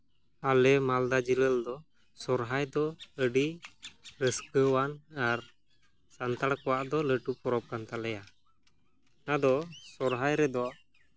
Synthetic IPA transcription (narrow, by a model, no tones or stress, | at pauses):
alɛmald̪ad͡ʒiləld̪ɔ | sɔɾɦajd̪ɔəɖi | ɾəskəwanaɾ | sant̪aɽkɔwaʔd̪ɔləʈupɔɾɔp̚kant̪alɛja | nad̪ɔsɔɾɦajɾɛd̪ɔʔ